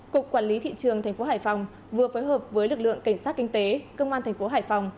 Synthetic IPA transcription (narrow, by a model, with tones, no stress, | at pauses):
ku˨˩k̚kwaː˧˩nli˨˦t̪ʰḭ˧˨t͡ɕɨ˨˩əŋt̪ʰŋ̟fo˨˦ɦaː˧˩jfa˨˩wŋ͡m | vɨ˨˩əfoː˨˦jɦəː˨˩p̚vəː˨˦jlɨ˨˩k̚lɨ̰˧˨əŋka˧˩ŋ̟saː˦˥t̚kï˧ŋ̟t̪e˨˦kə˧wŋ͡mʔaː˧nt̪ʰŋ̟fo˨˦ɦaː˧˩jfa˨˩wŋ͡m